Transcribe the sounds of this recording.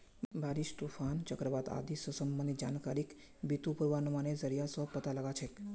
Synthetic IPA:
bʱaɾiʃt̪ufant͡ʃəkɾəʋat̪a̰d̪isəsəmbənd̪id͡ʒankaɾik | bit̪upuɾʋanumanezəɾijasəpət̪aləɡat͡ʃʰe

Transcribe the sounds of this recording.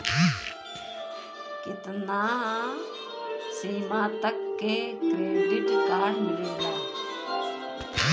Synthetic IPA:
kɪt̪naː | siːmãːt̪əkːeːkɾeːɖɪʈkaːɽmɪleːɡaː

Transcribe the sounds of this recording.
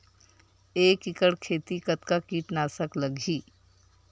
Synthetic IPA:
eːkɪkəɽkʰeːt̪ikət̪kakiːʈnaːsəkləɡʱiː

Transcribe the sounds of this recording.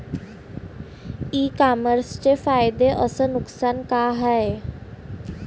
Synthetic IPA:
iːkaːməɾst͡ʃefaːɪd̪eʔəsənʊksaːnkaɦɛe

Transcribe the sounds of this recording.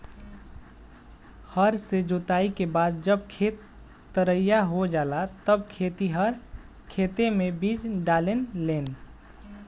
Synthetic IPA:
həɾsed͡ʒot̪aːikebaːd̪̚d͡ʒəb̚kʰet̪ː | əɾəjaɦod͡ʒalat̪əb̚kʰet̪iɦəɾ | kʰet̪emebid͡ʒɖaːlenleːn

